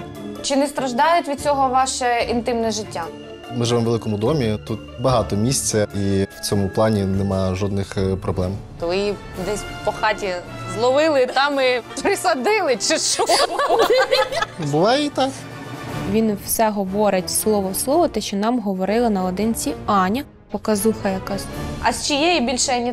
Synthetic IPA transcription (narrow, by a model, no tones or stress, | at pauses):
t͡ʃɪnɛst̪ɾɐʒd̪ɑjʊtʲʋʲid̪̚t͡sʲɔɦɔʋɑʃɛint̪ɪmnɛʒɪtʲːa | mɪʒɪʋɛmʋelˠɪkɔmʊd̪ɔmʲit̪ut̪̚bɐɦɑt̪ɔmʲisʲt͡sʲɐiwt͡sʲɔmʊplˠɑnʲinɛmɑjʒɔd̪nɪxpɾɔblˠɛmt̪ɔʋɪji | d̪ɛsʲpɔxɑtʲizlˠɔʋɪlˠɪt̪ɑmɪpɾɪsɐd̪ɪlˠɪt͡ʃɪʃu | bʊlˠait̪ɑk | ʋʲinwsɛɦɔʋɔɾɪtʲslˠɔʋɔslˠɔʋɔt̪ɛʃt͡ʃɔnɑmɦɔʋɔɾɪlˠɐnɐɔd̪ɪnt͡sʲiɑnʲɐ | pɔkɐzuxɐjɐkɑzɐsʲt͡ʃijɛjibʲilʲʃɛnʲi